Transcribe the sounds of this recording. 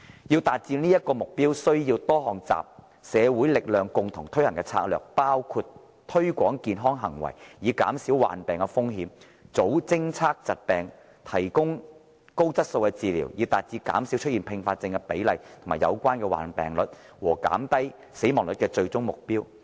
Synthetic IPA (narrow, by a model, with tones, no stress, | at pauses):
jiː˧wt̪aː˨t̚t͡siː˧niː˥jɐ˥t̚kɔː˧mʊ˨k̚piː˥wsɵ˥ɥjiː˧wt̪ɔː˥ɦɔː˨˩ŋt͡sa̰ː˨p̚ | sɛː˨˧wu˨˥jlɪ˨k̚lœː˨ŋkʊ˨˧ŋt̪ʰʊ˨˩ŋt̪ʰɵ˥ɥhɐ˨˩ŋkɛː˧t͡sʰa̰ː˧k̚lœ̰ː˨k̚paː˥wkʰuː˧t | t̪ʰɵ˥ɥkʷɔː˨˥ŋkiː˧nɦɔː˥ŋɦɐ̰˨˩ŋwɐ̰˨˩jjiː˨˧ka̰ː˨˥msiː˨˥wwa̰ː˨˩npɛː˨˩ŋkɛ˧fʊ˥ŋɦiː˨˧˥m | t͡so˨˥wt͡sɪ˥ŋt͡sʰaː˥k̚t͡sɐ˨t̚pɛː˨ŋ | t̪ʰɐ˨˩jkʊ˥ŋ | ko˥wt͡sɐ˥t̚so˧wkɛ˧t͡siː˨˧liː˨˩wjiː˨˧wt̪aː˨t̚t͡siː˧ka̰ː˨˥msi˨˥wt͡ʃʰɵ˥t̚iː˨npʰɪ˧ŋfaː˧t̚t͡sɪ˧ŋkɛ˧pe˨˥jlɐ˨jt̪ʰmaː˨˩jɐ̰˨˧wkʷaː˥nkɛː˧wa̰ː˨˩npɛ̰ː˨˩ŋlɵ̰˨t̚ | wɔː˨˩ka̰ː˨˥mt̪ɐ˥j | se˨˥jmɔː˨˩ŋlɵ˨t̚kɛː˧t͡ʃɵ˧ɥt͡sʊ˥ŋmʊ˨k̚piː˥w